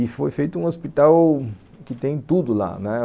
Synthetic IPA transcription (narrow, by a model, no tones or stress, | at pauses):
ɪfojfejt̪ʊũospit̪aw | kɪt̪ẽj̃t̪ud̪ʊla̰nɛ